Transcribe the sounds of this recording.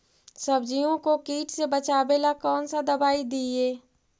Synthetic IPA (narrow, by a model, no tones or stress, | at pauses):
səbd͡ʒiõkokiːʈsebət͡ʃaːbeːlakɔːnsad̪ɐbaːid̪ieː